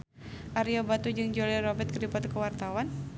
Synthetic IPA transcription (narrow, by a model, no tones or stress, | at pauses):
ʔaɾiobat̪ud͡ʒɨŋd͡ʒolɛɾɔbɛt̪̚kədipat̪kəwart̪awan